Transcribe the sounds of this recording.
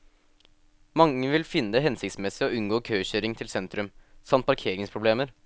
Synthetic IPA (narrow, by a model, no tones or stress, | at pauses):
mɑŋːəʋɪlfɪnːəd̪ɛɦɛnsɪk̚t̪smɛsɪɔʉnɡoːkʰøːçœɾɪŋt̪ʰɪlsɛnt̪ɾʉmsɑmt̪̚pʰɑɾkʰeːɾɪŋspʰɾʊbleːməɾ